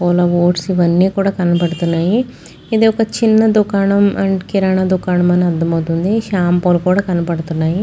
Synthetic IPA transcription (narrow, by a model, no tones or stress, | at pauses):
poːlɐʋoːʈsiʋɐnːiːkuːɽaːkɐnɐpɐɽut̪unːaːji | id̪eːɔkɐt͡ʃinːɐd̪ukaːɳɐmʔɐ̰ɳkiɾaːɳɐd̪ukaːɳɐmɐnɐd̪ːɐmɐwt̪und̪iʃaːmpoːlɐkuːɽaːkɐnɐpɐɽut̪unːaːji